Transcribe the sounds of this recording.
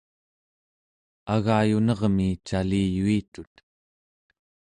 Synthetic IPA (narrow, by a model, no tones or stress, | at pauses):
aɣaːjunʌʁmit͡ʃalijuit̪ut̪